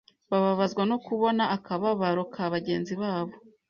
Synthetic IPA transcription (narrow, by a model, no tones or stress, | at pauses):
βaβaβazɡwanokuβo̞naʔːkaβaβaɾokʰaβaɟe̞ːnziβaːβo̞